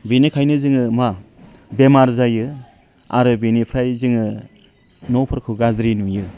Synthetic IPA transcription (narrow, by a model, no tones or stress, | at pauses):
benikʰajnɯzɯŋɯma | bemaɾzajɯ | a̰ɾɯbenipʰɾajzɯŋɯ | nɔpʰɯɾkʰɯwɡazɾinujɯ